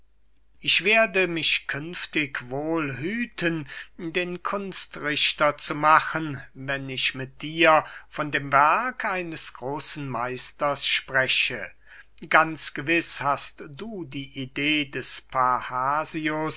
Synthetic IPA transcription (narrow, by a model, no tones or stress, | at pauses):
ʔɪçv̥eːɐdəmɪʃkʰʏnftɪkvoːlɦyːtʰəndeːnkʰʊnstʁɪɕtɐt͡sumaχənvɛnɪçmɪt̚d̥iːɐfɔndeːmvɛɐkʰʔaɪnəsɡ̥ʁoːsn̩maɪstɐsʃpʁ̥ɛʃə | ɡ̥ant͡sɡ̥əvɪshastd̥uːdiːʔideːdɛspʰahaːzios